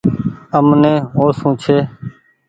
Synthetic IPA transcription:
əmnẽːɦoːsũːt͡ʃʰeː

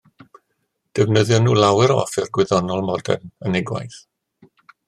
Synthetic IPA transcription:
d̥ɛvnəðjɔnuːlˠawɪɾɔ̰fɪrɡwɪðɔnɔlˠmɔdɛ̰nənɪɡwa̰jθ

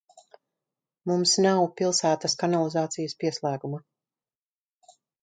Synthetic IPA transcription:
mumsnawpilˠsæːt̪ɐskanalˠizaːt̪sijəspiɛslˠæːɡuma

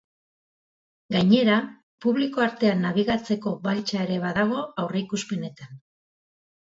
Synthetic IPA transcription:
ɡajɲe̞ɾa | puβliko̞aɾt̪e̞anːaβiɣat͡se̞ko̞balt͡ʃaeɾe̞βaðaɣ̞o̞awre̞ikuspe̞ne̞t̪an

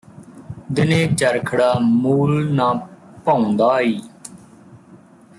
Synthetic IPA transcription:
d̪ɪneːt͡ʃəɾkʰəɽaːmuːlnãːpaõːnd̪aːiː

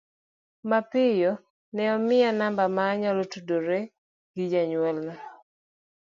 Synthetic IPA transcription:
mapɪjɔ | nɛɔmɪanambamaːɲalotudoɾe | ɡɪd͡ʒaɲwɛlna

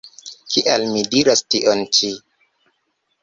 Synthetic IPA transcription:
kʰiʔalmidiɾastiʔont͡ʃi

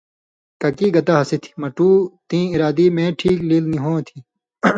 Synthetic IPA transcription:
kɐkiːɡɐt̪aːɦɐset̪ʰi̥mɐʈuːt̪ĩːiɾaːd̪iːmẽːʈʰiːkliːlniɦõːt̪ʰi

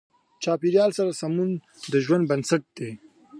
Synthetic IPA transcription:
t͡ʃɑːpiɾjɑlsaɾasamun | d̪əʒwand̪̚bɐnsaʈ̚d̪̥e

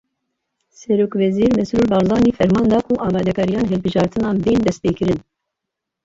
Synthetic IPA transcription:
sɛɾoːkvɛziːɾmɛsɾuːlbɑːɾzɑːniːfɛɾmɑːnd̪ɑːkʰuʔɑːmɑːd̪ɛkʰɑːɾijɑːnɦɛlbɨʒɑːɾt̪ʰɨnɑːnbeːnd̪ɛst̪̚peːkɨɾɨn

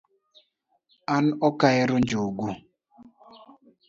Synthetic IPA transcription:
an̩ɔkaɪɾʊnd͡ʒoɡu

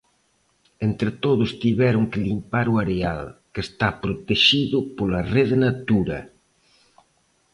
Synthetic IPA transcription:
ent̪ɾɪt̪oðʊst̪iβɛɾʊŋkelimpaɾuaɾealkest̪apɾot̪eʃiðʊpolareðenat̪uɾɐ̰

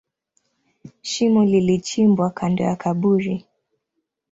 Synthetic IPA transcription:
ʃimulilit͡ʃimbwakʰandɔ̰jakʰaɓuɾi

